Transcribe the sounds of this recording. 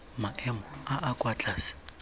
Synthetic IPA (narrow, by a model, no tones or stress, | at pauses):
maʔɛmɔaʔakʼwat͡ɬʼaːsi̥